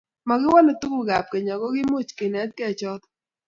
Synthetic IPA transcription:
ma˨ɡɪ˦wa˦lo˨t̪u˦ku˨ɡa˨p̚ke˨ɲa˨ɡɔ˦ɡɪ˦mo˦˨t͡ʃkɪ˨nɛ˨˦t̪̚kɛ˦˨t͡ʃɔ˦t̪

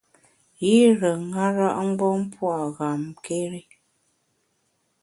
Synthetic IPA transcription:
ji˦ɾə˨ŋa˦ɾa˦ʔŋ̩˦ɡ͡bɔ˦m̩˦pwa˦˨ɣa˨mke˦ɾi˦

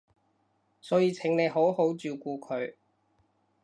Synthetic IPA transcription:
sɔː˨˥jiː˧t͡sʰɪ˨˥ŋne˨˧jɦo˨˥who˨˥wt͡syː˨˧wkuː˧kʰɵ˨˧ɥ

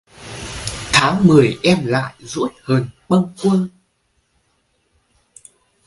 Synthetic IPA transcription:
t̪ʰaː˨˦ŋmɨ˨˩əjʔɛ˧mla̰ː˧˨jzṵ˧˥t̚həː˨˩nɓə˧ŋkwə˧ə

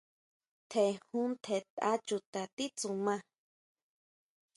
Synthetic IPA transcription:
t̪ʰe˨hũ˦nt̪ʰe˨t̪a˦t͡ʃu˨t̪a˨t̪i˦t͡su˨mã˦˧

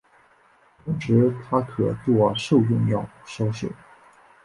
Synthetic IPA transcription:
ʊ˥˩ŋʈ͡ʂɻ̩˧˥t̪ʰa˥kʰɤ˨˩t͡swɔ˥˧ʂo˥˧ʊʈ͡ʂʊ˥˧ŋjɑ˥˩ʊɕjɑ˥ʊɕjo̰˨˩˦ʊ

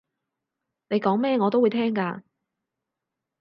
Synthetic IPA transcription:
ne˨jkɔː˨˥ŋmɛː˥ŋɔː˨˧t̪o˥wːjt̪ʰɛː˥ŋkaː˧

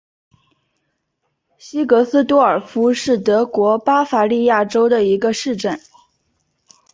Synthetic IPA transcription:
ɕi˥kɤ˧˥sɹ̩˥t̪wɔ˥ə˞˨˩fu˥ʂɻ̩˥˩t̪ɤ˧˥kwɔ˧˥pa˥fa˧˥li˥˧ja˥˩ʈ͡ʂo˥ʊd̪ə˨i˧˥ɡə˧ʂɻ̩˥˧ʈ͡ʂə˥˩n

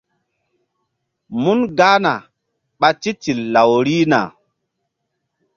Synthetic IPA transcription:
mu˦nɡa˦na˨ | ɓa˦ti˦ti˨lːa˨wɾi˦na̰˨

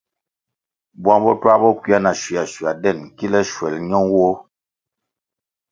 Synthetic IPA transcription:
bwa˦ŋbɔ˦twa˦bɔ˦kwi˦a˦na˨ʃi˨a˨ʃi˨a˨dɛ˦˨nki˦lɛ˦ʃwɛ˨lɲɔ˦ŋwo˦

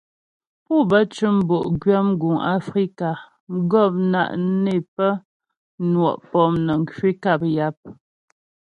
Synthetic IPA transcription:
pu˦bə˦t͡ʃʉ˦m̩˦bo˨ʔɡɥa˦m˦ɡu˨ŋa̰˦fɾi˦ka˨˦ | ɡɔ˦˨p̚na̰˨ʔne˦˨pə˦ | nwɔ˨ʔpɔ˦mnə˨ŋ˨kɥi˦ka˦˨p̚ja˦p̚

